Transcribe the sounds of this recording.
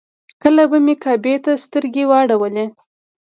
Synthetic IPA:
kəlabamekɑbet̪ast̪əɾɡewɑɽawəle

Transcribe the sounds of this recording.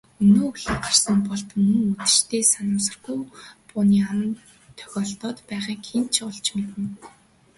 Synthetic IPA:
ɵnoːɵɮĭːɢar̥sə̆mpɔɮt̪mɵ̆ŋɵt̪ɘ̥̆t͡ɕt̪ʰeːsanʊːsə̆rɡujpʊːniːaw̆n | t̪ʰœ̥xʲɔːɮt̪ɔːt̪pæːʁiːŋxʰent͡ɕʰʊɮt͡ɕmet̪ɘ̆n

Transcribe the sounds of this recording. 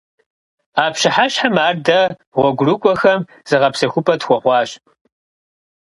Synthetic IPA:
aːpɕɪħaɕħamaːrdɐʁʷɔɡʷʊrɨkʷʼɔxɐm | z̥ɨʁɐpsɐxʷʊpʰʼɐtxʷɔʁʷɑːɕʼ

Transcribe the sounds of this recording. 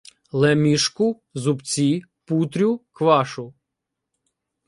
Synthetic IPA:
lˠɛmʲiʃkʊ | zʊpt͡sʲi | put̪ɾʲʊkʋɑʃʊ

